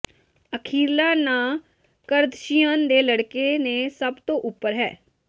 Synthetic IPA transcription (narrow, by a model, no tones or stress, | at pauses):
əkʰiːlaːnaː | kəɾd̪ʃijənd̪eːləɽkeːnẽːsəbt̪õːʔʊpːəɾɦɛ̰ː